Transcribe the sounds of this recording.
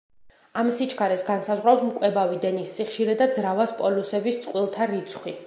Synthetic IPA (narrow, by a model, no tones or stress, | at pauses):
amsit͡ʃʰkʰaɾɛsɡansazʁɾawt̪mkʼwɛbavid̪ɛnisːiχʃiɾɛd̪ad̪zɾavaspʼɔlusɛbist̪sʼqʼwilˠt̪ʰaɾit̪sʰχwi